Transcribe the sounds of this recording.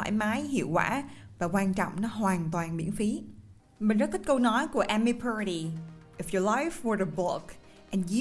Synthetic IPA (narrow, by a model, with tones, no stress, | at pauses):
a̰ː˧˥˩jmaː˨˦jɦḭ˧˨əwkwa̰ː˧˩vaː˨˩kwaː˧nt͡ɕɔ̰˧˨wŋ͡mnɔ˨˦ɦwaː˨˩nt̪waː˨˩nɓḭ˧˥ənfi˨˦ | mï˨˩zə˦˥i˦˥t̚kə˧wnɔ˨˦jku˧˩əʔɛ˧mi˧pʰə˞˧ɾi˨ʔɪfjɔ˨lajfwə˞ɾəbʊ˦k | ʔɛ̃˨nj